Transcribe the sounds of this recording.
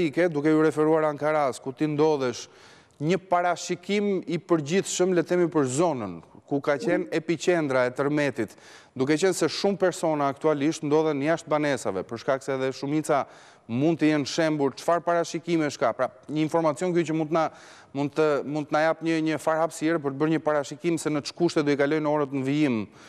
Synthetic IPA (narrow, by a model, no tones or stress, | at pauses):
ikɛd̪ukɛuɾɛfɛɾuaɾaŋkaɾaskut̪ind̪ɔðɛʃ | ɲəpaɾaʃikimipəɾd͡ʑiθʃəmlɛt̪ɛmipəɾzɔnənkukat͡ɕɛnɛpit͡ɕɛnd̪ɾaɛt̪əɾmɛt̪it̪ | d̪uk̬ɛt͡ɕɛnsɛʃumpɛɾsɔnaːk̚t̪ualiʃt̪nd̪ɔðɛnjaʃt̪̚banɛsa̰vɛpəɾʃkaksɛðɛʃumit͡sa | mund̪t̪əjɛnʃɛmbuɾt͡ʃə̥faɾpaɾaʃikimɛʃkapɾaɲəinfɔɾmat͡siɔnkycəmunt̪na | mund̪t̪əmunt̪najapɲəɲəfaɾhapsiɛɾɛpəɾt̪əbəɾɲəpaɾaʃikimsɛnət͡ʃkuʃt̪ɛd̪uɛkalɔjnəɔɾət̪nəviim